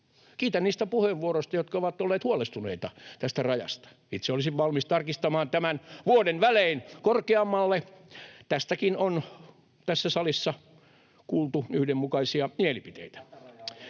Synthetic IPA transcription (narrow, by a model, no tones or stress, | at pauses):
kiːt̪ænniːst̪æpuheʋːuorost̪ɑjot̪kɑoʋɑt̪ːolːeːt̪huɑlest̪unḛit̪ɑt̪æst̪ærɑjɑ̰st̪ɑ̥ | it̪seolisiʋʋɑlmist̪ɑrkist̪ɑmɑːnt̪æmænʋuodenʋæleinkorkeɑmːɑlːet̪æst̪ækinon | t̪æsːæsɑlisːɑ | kuːlt̪uyhdemmukɑisiɑmielipit̪ḛit̪æ̥